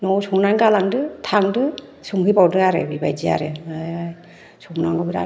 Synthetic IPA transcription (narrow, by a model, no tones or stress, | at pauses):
nɔwsɔŋnaŋkalaŋdɯtʰaŋdɯsuŋhɯpawdɯaɾḛbibajd͡ʒia̰ɾej | sʰɔŋnaŋɡɔbiɾa̰